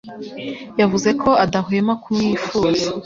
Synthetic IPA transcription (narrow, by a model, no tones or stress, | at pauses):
javuze̞kʰo̞adaɦemakumɲiːfuːza